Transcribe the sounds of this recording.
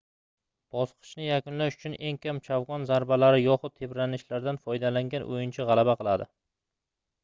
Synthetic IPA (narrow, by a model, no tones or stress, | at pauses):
b̥ɒsqʰɨ̥ʃnɪjakʊnlaʃʊ̥t͡ʃʰʊne̞ŋkʲʰamt͡ʃʰavʁɒnzaɾbalaɾɪjɒχʊt̪̚t̪ʰebɾanɪʃlaɾd̪anfɒjd̪alaŋɡʲanʔo̰jɪnt͡ʃʰaʁɑlˠabaqʰɨlˠad̪ɪ